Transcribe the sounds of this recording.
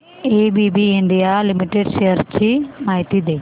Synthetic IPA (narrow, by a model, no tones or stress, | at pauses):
eːbibiɪɳɖijalɪmɪʈeɖʃejəɾt͡ɕimaːɦɪt̪id̪eː